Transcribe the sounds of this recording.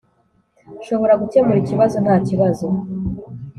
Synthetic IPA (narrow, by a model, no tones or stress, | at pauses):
ʃo̞βo̞ɾaɡuce̞muɾiciβazo̞n̥haːciβazo̞